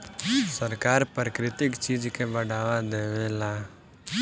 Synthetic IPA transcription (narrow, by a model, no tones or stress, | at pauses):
səɾkaːɾpəkɾɪt̪ɪkt͡ʃiːd͡ʒkebəɽaːʋad̪eːʋelaː